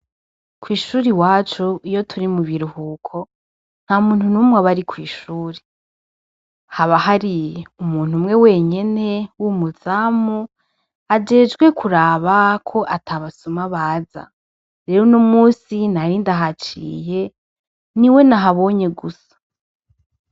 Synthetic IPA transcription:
kwiːʃuːɾiwaːt͡ʃuijo̞tʰuɾimuβiɾuhuːkʰo̞ | n̥haumuːn̥hunumwaβaɾikwiːʃuːɾe | haβahaɾiumuːn̥umŋe̞we̞ːɲene̞wumuz̥aːmu | ad͡ʒe̞ːd͡ʒɡwe̞kʰuɾaːβakʰo̞ʔatʰaβasumaβaːza̰ | ɾe̞ɾonomuːsinaɾiːndaɦat͡ʃḭje̞ | niwe̞naɦaβo̞ːɲe̞ɡusḁ

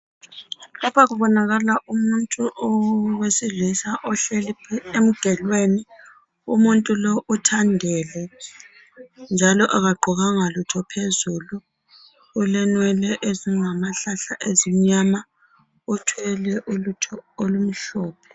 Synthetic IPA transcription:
lɔβaɣuβɔnaɣalaʔumuntʼuʔɔwesiɮisaʔɔɬelipʰiem̩ɡ̥ʱɛlweni | umuntʼulɔʔutʰandʱɛlɛ | nd͡ʒʱalɔʔaɣaɡ͡ǃʱuɣaŋalutʰɔpʰezuluː | lɛnwɛlɛʔeziŋamaɬaɬaʔezim̩ɲama | utʰwɛlɛʔulutʰɔolum̩ɬɔːpʰɛ̥

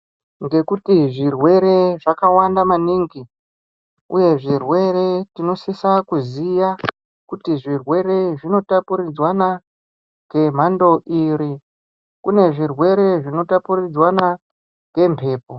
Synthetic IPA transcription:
ŋɡe̞kutiʐirwe̞ɾe̞ʐakawandamaniːŋɡi | ṵje̞ʐirwe̞ɾe̞tino̞sisakuzija | kutiʐirwe̞ɾe̞ʐino̞tapuɾid͡zwana | ɡe̞m̤ando̞ʔiɾi | kune̞ʐirwe̞ɾe̞ʐino̞tapurid͡zwana | ɡe̞mpʰe̞ːp̚o

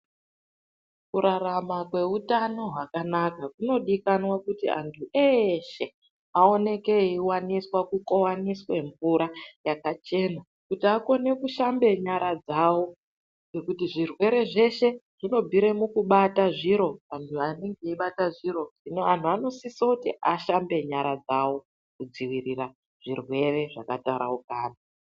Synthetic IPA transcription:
kuɾaramakwe̞utano̞ɦakanakakuno̞ɗikanwakutḭa̰ntʰuʔeʃe̞ | ao̞ne̞ke̞iwaniswakukowaniswe̞ɱvuɾajakat͡ʃe̞ːna | kutiako̞ne̞kuʃambe̞ɲaɾad͡zawo̞ | ɡekutiʐirwe̞ɾe̞ʐe̞ʃe̞ʐino̞bʱiɾe̞mukuɓataʐiɾo̞tantʰuane̞ŋɡeiɓataʐiɾo̞ʐinoan̤uano̞sisokutiʔaʃambe̞ɲaɾad͡zawo̞ | kud͡ziwirira | ʐ̥irwe̞re̞ʐakataɾa̰ukaːna

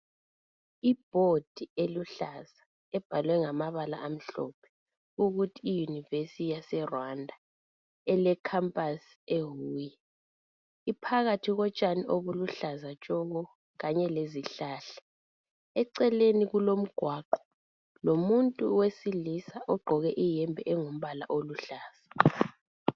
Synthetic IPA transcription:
ib̥̚ʱod̥ʱieluɬaza | ɛb̥ʱalwɛŋamaβala̰ʔam̩ɬɔ̰ːpʰɛ̥ | uɣutʰiːjunivesitjasɛrwandʱa | ɛlɛkʰampʼas | eɦuːji | ipʰaɣatʰiɣɔt͡ʃʼaniʔoβuluɬazat͡ʃʼɔɣɔ | ɣaɲɛleziɬaːɬḁ | ɛǀɛleniɣulom̩ɡ̥ʱwaːǃɔ̥ | lomuntʼuwesilisaʔɔɡ͡ǃʱɔɣɛʔijɛmbʱɛ̰ʔɛŋom̩βala̰ʔoluɬaːz̥a

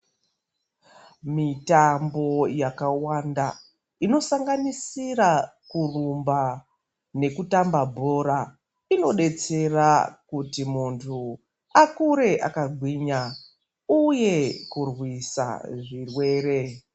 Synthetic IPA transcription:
mitambo̞jakawanda | ino̞saŋɡanisirakurumba | ne̞kutambabʱo̞ɾa | ino̞ɗe̞t͡se̞rakutimuntʰu | akuɾe̞ʔakaɡʱwiːɲa | uje̞kurwisa̰ʐirwe̞ːɾe̞

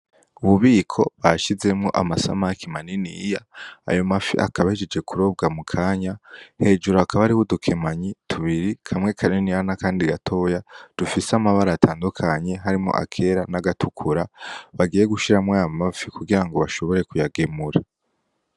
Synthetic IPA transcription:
uβuβiːkʰo̞βaʃize̞mŋo̞̰ʔa̰masa̰makʰimaninijaa̰jo̞mafḭʔa̰kʰaβahid͡ʒed͡ʒe̞kuɾo̞ːb̚ɡamukʰaːɲahe̞ːd͡ʒuɾoakaβaɾihudukʰe̞maɲitʰuβiɾikʰamŋe̞kʰaɾinijanakaːndiɡatʰo̞ːjad̥ufisamaβaɾatʰaːndukʰaɲe̞ɦaɾimŋo̞̰ʔa̰kʰe̞ɾanaɡatukʰuɾaβaɡiːje̞ɡuʃiɾamŋeamafikuɡiɾaŋɡo̞βaʃo̞βo̞ɾe̞kujaɡe̞muɾa

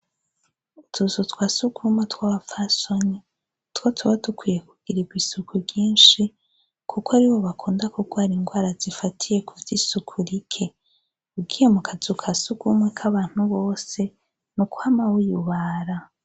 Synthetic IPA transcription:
utʰuzutwasuɡumatwaːβafasoɲe | twotʰuβatukwije̞kuɡ̥iɾiɡwisukuɡiːnʃi | kʰukwaɾiβo̞βakʰuːndakukʰoaɾiŋɡwaːɾazifatʰije̞kuvjisukʰuɾikʰe̞ | ub̚ɡiːje̞mukʰazukʰasuɡumakʰaβaːn̥huβo̞ːse̞ | nuku̥hamawujuβaɾa

